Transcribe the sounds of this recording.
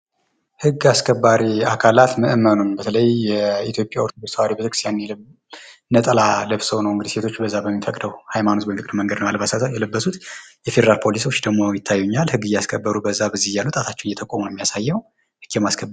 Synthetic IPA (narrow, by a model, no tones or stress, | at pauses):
hɨɡːaskʰəbːaɾiakʰalat̪məʔɨmːənunbət̪ʰələjːɛit̪ʰjo̞pʼːjaoɾt̪ʰod̪ust̪ʰawaɾibɨt̪ɾkist̪janɛ | nːət̪ʼəlaləβsəwnəwɨŋɡɨd̪iset̪ʰot͡ʃːbəzːabəmːifəkʼd̪əwhajmano̞sbəmfkɨkʼd̪uməŋɡəd̪nəwalbasjɛləbːəsut̪jɛfe̞d̪əɾalpʰo̞liso̞t͡ʃːd̪əɡmo̞jɪt̪ʰːajːuɲːalhɨɡːɨjaskʰəbːəɾubəzːabɨzːihjalːut̪ʼat̪ʰat͡ʃːɛwnjɛt̪ʰəkʼomunomːijasajːɛw | hɨɡ̥jɛmaskʰəbː